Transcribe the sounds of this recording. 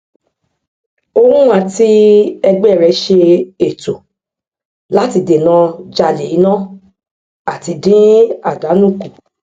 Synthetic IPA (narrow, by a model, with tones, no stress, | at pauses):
o˧hũ˦ã˨ti˦ɛ˧ɡ͡bɛ˦˨ɾɛ˧ʃe˧e˨to˨ | la˦ti˧de˨nã˧d͡ʒa˧le˨i˨˦nã˦ | a˨ti˧dĩ˦a˦˨da˨˦nũ˦˨ku˨